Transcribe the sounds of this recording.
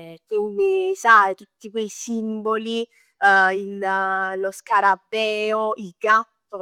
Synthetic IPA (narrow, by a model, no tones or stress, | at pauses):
kwind̪isajt̪ut̪ːikwejsimboli | illoskaɾabɛːoiɡat̪ːo